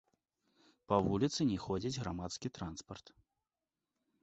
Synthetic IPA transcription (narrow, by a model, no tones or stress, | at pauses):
pɐvulʲit̪sɨnʲɛxɔd͡zʲid͡zʲɣɾamat̪skʲit̪ɾanspɐrt̪